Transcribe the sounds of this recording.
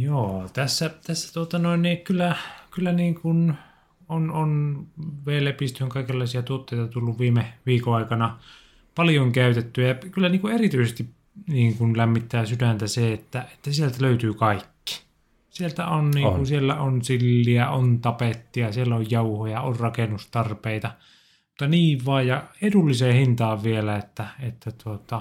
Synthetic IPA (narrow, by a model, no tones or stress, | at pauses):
joːt̪æsːæt̪æsːæ̥t̪uot̪ɑnoinnikylːækylːæniːŋkun | ononʋeːlepist̪yŋkɑˑikelːɑˑisiɑt̪uot̪ːeit̪ɑt̪ulːuʋʋiːmeʋiːkoɑˑikɑnɑ | pɑljoŋkæyt̪et̪ːyæjɑkylːæniːŋkuerit̪yisest̪ip | niːŋkunlæmːit̪ːæːsydænt̪æseet̪ːæet̪ːæsielt̪æløyt̪yːkɑikːi̥ | sielt̪æ̰onniːŋkusielːæonsilːiæʔont̪ɑpet̪ːiɑsielːæojjɑuhojɑorrɑkenust̪ɑrpeˑit̪ɑ | mut̪ːɑniːʋʋɑːjjɑed̪ulːiseːhint̪ɑːʋʋielæet̪ːæet̪ːæt̪uot̪ɑ